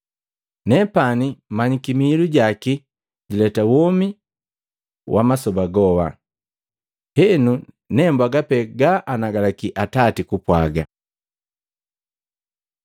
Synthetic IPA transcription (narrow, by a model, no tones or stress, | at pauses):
nɛpanimaɲikimiːluɟaki | ɟilɛtawɔmi | wʔa̰masɔbaɡɔwa̰ | hɛnu | nɛmbwaɡapɛɡaʔanaɡalakiʔatatikupwaɡa̰